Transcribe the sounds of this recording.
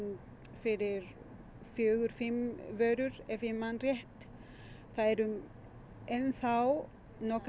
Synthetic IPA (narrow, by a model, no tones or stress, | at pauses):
fɪɾɪɾ | fjœːɣʏɾ̥fɪmːvœːɥɾʏɾɛfɪmːanrjɛht̪ | θaðɛɾʏm | ɛnθaw | nɔkɾ